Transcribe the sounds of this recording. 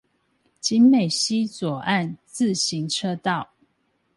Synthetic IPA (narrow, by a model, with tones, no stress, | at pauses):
t͡ɕi˦nme˨˩ɪɕi˦t͡swɔ˨˩a˥˨nt͡sɹ̩˥˨ɕi˨˦ŋʈ͡ʂʰɤ˦t̪ɑ˥˨ʊ